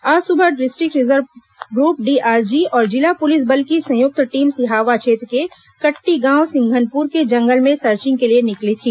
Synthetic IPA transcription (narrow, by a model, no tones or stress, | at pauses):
aːsʊbʱəʈɖɪsʈɾɪkɾɪzəɾʋ | ɡɾuːp̚ɖiːʔaːɾd͡ʒiɔːɾd͡ʒɪlapʊlɪs̬bəlkisɐ̃jʊk̚t̪ʈiːmsɪɦaːʋat͡ʃʰeːt̪ɾke | kɐʈːiɡãːwsɪ̃ŋɡʱənpuːɾked͡ʒɐ̃ŋɡəlmẽsəɾt͡ʃɪ̃ŋɡkelienɪklit̪ʰiː